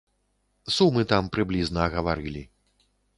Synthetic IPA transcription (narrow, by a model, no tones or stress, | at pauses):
sumɨt̪ampɾɨblʲiznɐːɣɐvaɾɨlʲi